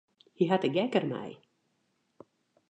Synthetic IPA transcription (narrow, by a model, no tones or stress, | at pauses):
hiɦatəɡɛkərmɛ̰j